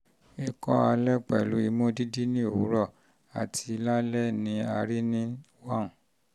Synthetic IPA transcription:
e˨kɔ̰˦a˧lɛ˦k͡pɛ˨lu˨˦i˧mõ˦di˦di˦nĩ˦o˨wu˨˦ɾɔ˦˨ | a̰˨tʰi˧la˦lɛ˦nĩ˧˦a˧ɾi˦nĩ˦ | wã˦˨n˨

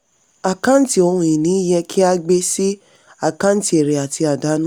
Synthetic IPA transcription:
a˨kã˦n̩˦ti˦o˧hũ˧i˨nĩ˨˦i˦jɛ̃˧kʰi˦a˧ɡ͡be˧si˦ | a˦˨kã˦n̩˦ti˦e˨ɾe˨a˨ti˧a˨da˨˦nũ˦

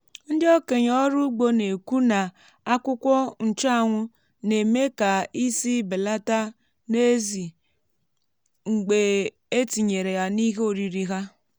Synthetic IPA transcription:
n̩˦dɪ˦o˦ke˨ɲɔ˦ɾʊ˦ɡ͡bo˦ne˨ku˦na˨ | a˦kʷʊ˦kʷɔ˦n̩˨t͡ʃa˦a˦˨ŋʷʊ˦ | ne˨me˦ka˨i˦si˦be˨la˦ta˦ | ne˦zi˨ | ŋ͡m̩˨ɡ͡be˨ | e˦ti˨ɲe˨ɾe˨ja˨ni˦ɦo˨ɾi˨ɾi˦ɦa˦

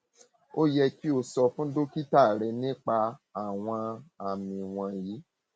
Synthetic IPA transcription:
o˦jɛ˧ki˦o˧sɔ˧fũ˦do˦ki˦ta˦˨ɾɛ˧nĩ˦k͡pa˧a˨w̃ɔ̃˧a˨mĩ˧w̃ɔ̃˧jiː˨˦

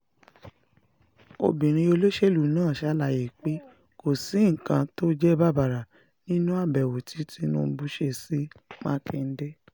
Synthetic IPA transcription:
o̰˧bĩ˨ɾ̃ĩ˧o˧lo˦ʃe˦˨lu˨˦nãː˦˨ʃa˨˦la˨˧˨ji˨k͡pe˦ | ko˦˨si˨˦ŋ̩˨kã˧to˦d͡ʒɛ˦ba˦ba˨ɾa˨ | nĩ˦nũ˦a˦˨bɛ˨wo˨tʰi˨˦ti˧˦nũ˦˧˦bu˦ʃe˧˨si˦mã̰ː˦kɛ˧n̩˦de˦

